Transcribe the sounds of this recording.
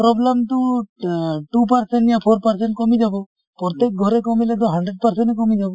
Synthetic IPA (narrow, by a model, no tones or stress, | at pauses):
pɾɔblamt̪ɔ | ʈupaɾsɛnijapʰɔɾpaɾsɛɳʈ̚kɔmid͡ʒabɔ | pɾɔt̪ek̚ɡʱɔɾɛkɔmilɛt̪ɔɦaɳɖɾeɖ̚paɾsɛnɛkɔmid͡ʒabɔ